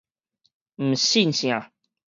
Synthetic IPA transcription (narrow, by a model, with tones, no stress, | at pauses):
m̩˨˩ɕi˥˨nɕj̃ã˨